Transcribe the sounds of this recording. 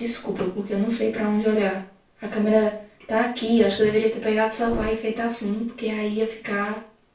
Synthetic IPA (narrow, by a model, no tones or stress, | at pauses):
iskubɾʊpoɾkeewnɐ̃w̃sejpɾɐõd͡ʒɪoʎaɾ | ɐkɐ̃meɾɐt̪aːkiewaʃʊ̥kɪd̪eveɾiɐt̪eɾpeɡad̪ʊsawvajɪfejt̪ʊasĩpoɾkeaiiɐfi̥ka